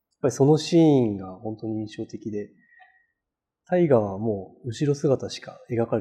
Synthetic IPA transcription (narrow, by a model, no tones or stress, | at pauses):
jḁpːaɾʲiso̞no̞ɕiːŋɡahõ̞nt̪o̞ɲ̟iĩɰ̃ɕo̞ːt̪e̞kʲid̪e̞ | t̪aiɡaβamo̞ːɯ̟ɕiɾo̞sɨɡat̪aɕi̥kae̞ɡakaɾ